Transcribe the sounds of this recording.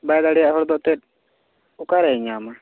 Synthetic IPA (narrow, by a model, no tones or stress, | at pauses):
bajd̪aɽijaʔɦɔɾd̪ɔʔt̪ɛt̚ | ukaɾɛɲama